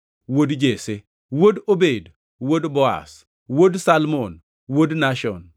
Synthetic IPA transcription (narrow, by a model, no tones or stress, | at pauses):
wodd͡ʒese | wodobed | wodbɔa̰s | wodsalmon | wodnaʃɔ̰n